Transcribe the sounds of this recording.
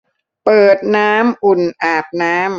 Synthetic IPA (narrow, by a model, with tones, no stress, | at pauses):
pɤː˨˩t̪̚naː˦˥mʔu˨˩nʔaː˨˩p̚naː˦˥m